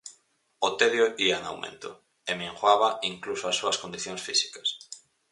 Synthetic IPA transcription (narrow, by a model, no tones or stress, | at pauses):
ot̪eðjoiana̰wmʔḛ̃nt̪o̰ | emeeŋxwaβaiŋklusoasːoɐskond̪iθjõnsfisi̥kḁs